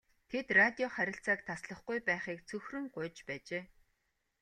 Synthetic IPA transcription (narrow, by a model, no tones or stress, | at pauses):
t̪ʰet̪rat̪ʲiɔχæɾʲɪ̆ɬt͡saːk̚t̪ʰasɮə̆χɡujpæːχiːkt͡sʰɵxrɵ̆ŋɢʊːt͡ɕpæːt͡ɕeː